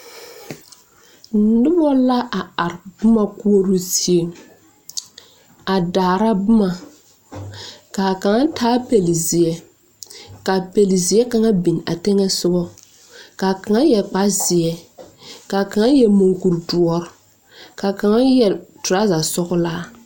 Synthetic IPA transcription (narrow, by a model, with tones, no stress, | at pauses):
nʊ˦bɔ˦la˦ʔa˨a˨ɾbʊ˦ma˨ku˦o˦ɾu˦si˦e˦˨ŋ | a˨daː˨ɾa˦bʊ˦ma˨ | ka˨ka˨ŋa˦tʰaː˦pe˨li˨zɪ˨ɛ˦ | ka˨pe˨li˨zɪ˨ɛ˦ka˦ŋa˦bi˨n˨a̰˨tɛ˦ŋɛ˦sʊ˦bɔ˦ | ka˨ka˨ŋa˦jɛ˨k͡pa˦zɪ˨ɛ˦ka˨ka˨ŋa˦jɛ˦mo˨ŋku˨ɾdu˨ɔ˦ɾɔ˦ | ka˨ka˨ŋa˦jɛ˨ltʊ˨ɾa˦za˨sɔ˦ɣʊ˦laː˦